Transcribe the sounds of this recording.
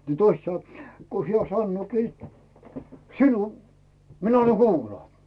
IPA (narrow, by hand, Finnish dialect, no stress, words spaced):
ni toist sɑnŏ ko hiæ sɑnːoːki sinu minæ ɑnːɑ kuːlɑː